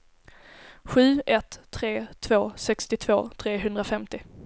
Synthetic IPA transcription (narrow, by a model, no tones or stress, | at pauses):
ɧʉ̟ːʔɛt̪ʰːɾeːt̪ʰv̥oːsɛkst̪ɪt̪ʰv̥o̰ːt̪ʰɾeːɦɵnd̪ɾafɛmt̪ɪ